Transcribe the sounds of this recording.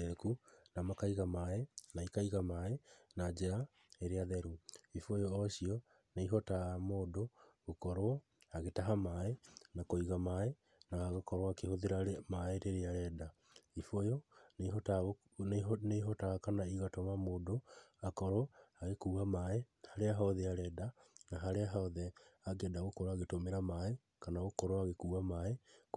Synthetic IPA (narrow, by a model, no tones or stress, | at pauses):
ekunamakaiɣamaɛnaikaiɣamaɛnad͡ʒeɾa | eɾeaðɛɾuifojoːɕiɔ | neiɦɔtaamoːdoɣokɔɾɔ | aɣetaɦamaɛnakoiɣamaɛ | naɣokɔɾoakehoðeɾaɾemaeɾeɾeaɾɛːda | ifojoneɦɔta | neɦɔtaɣakanaiɣatomamoːdoakɔɾoaɣekuːɣamae | haɾeaɦaɔðɛaɾɛːdanaɦaɾeaɦaɔðɛaɡɛdaɣokɔɾoaɣetomeɾamae | kanaɣokɔɾoaɣekuamae